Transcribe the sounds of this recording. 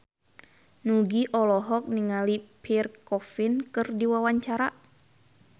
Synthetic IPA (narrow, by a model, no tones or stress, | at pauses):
nuɡiʔɔlɔɦɔk̚niŋalipʰirkɔfinkɨrdiwawaɲt͡ʃaɾa